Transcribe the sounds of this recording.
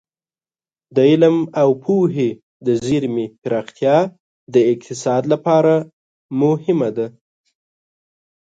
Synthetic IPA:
d̪əɪlmawpʰuɦe | d̪əziɾmepɪɾɑxt̪jɑ | d̪əɪqt̪ɪsɑd̪lapɑɾa | mʊhɪmad̪a

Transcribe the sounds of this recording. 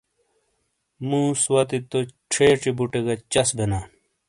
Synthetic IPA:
mũːswɐt̪it̪oʈ͡ʂʰeːʈ͡ʂibuʈeɡɐt͡ɕɐsbʱena

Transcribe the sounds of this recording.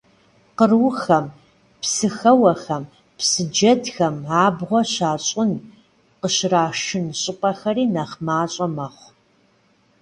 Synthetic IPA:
qərwxɐm | psɨxɐwɐxɐm | psɨd͡ʒɐdxɐmʕaːbʁʷɔɕaːɕʼʊn | qəɕraːʃɪnɕʼɪpʼɐxɐriːnɐχmaːɕʼɐmɐχʷ

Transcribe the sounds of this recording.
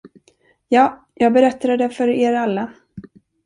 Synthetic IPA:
jɑː | jɑːɡ̚bɛɾɛt̪ːad̪əd̪ɛfœɾeːɾalːa

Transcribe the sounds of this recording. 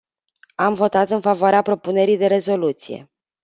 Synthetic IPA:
amvo̞t̪at̪ɨnfavoaɾeapɾo̞pune̞ɾijd̪e̞ɾe̞zo̞lut̪sijḛ

